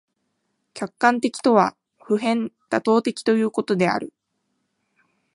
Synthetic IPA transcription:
kʲakːãnt̪e̞kʲi̥t̪o̞βa | ɸɯ̟ɦẽ̞nt̪at̪o̞ːt̪e̞kʲi̥t̪o̞jɯ̟ːko̞t̪o̞d̪e̞a̰ɾɯ̟

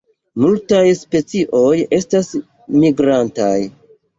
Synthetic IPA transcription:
multajspe̞t͡siʔo̞je̞stas | miɡɾantaj

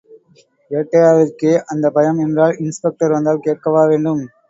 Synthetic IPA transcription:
eʈːɐjaːʋɪrkeːʔɐnd̪ɐpɐjɐmɛndraːlɪnspɛk̚ʈɐɾʋɐnd̪aːlkeːʈ̚kɐʋaːʋeːɳɖɯm

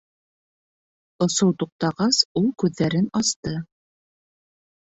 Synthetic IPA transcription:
ŏsowt̪uq̚t̪ɑʁɑsulˠkʉðːæɾɘnɑst̪ɤ

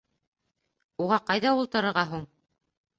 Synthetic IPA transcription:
uʁɑqɑjðɑulˠt̪ɤ̆ɾɤ̆ɾʁɑɦuɴ

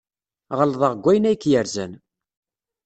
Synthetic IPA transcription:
ʁəlðˤəʁɡʷæjnæjkːjəɾzæn

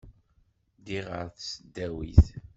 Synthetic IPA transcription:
d̪iʁə̰ɾθsəd̪ːæwḭθ

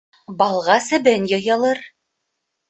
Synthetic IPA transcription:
bɑlˠʁɑsɘ̆βɘnjɤ̆jɑlˠɤɾ

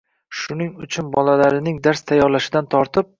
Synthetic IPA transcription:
ʃʊnɪŋʊt͡ʃʰʊnbɒlalaɾɪnɪŋd̪aɾst̪ʰajːɒɾlaʃɪd̪ant̪ʰɒɾt̪ʰɪp̚

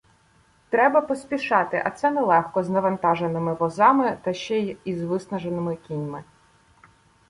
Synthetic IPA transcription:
t̪ɾɛbɐpɔsʲpʲiʃɑt̪ɪʔɐ̰t̪sɛnɛlˠɛxkɔznɐʋɐnt̪ɑʒenɪmɪʋɔzɑmɪt̪ɐʃt͡ʃɛjizʋɪsnɐʒenɪmɪkʲinʲmɪ

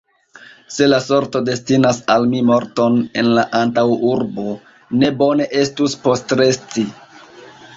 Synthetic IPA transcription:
se̞laso̞ɾto̞de̞stinasalmimo̞ɾto̞ne̞nlaʔantawuɾbo̞ | ne̞bo̞ne̞ʔe̞stuspo̞stɾe̞sti

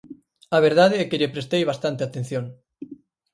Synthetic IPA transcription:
aβ̞eɾð̞að̞eɛkeʎepɾest̪ejβast̪ant̪eat̪ẽn̟θjoŋ

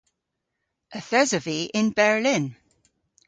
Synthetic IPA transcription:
ʔəθɛzəviʔɪ̃nbɛɹlɪ̃n

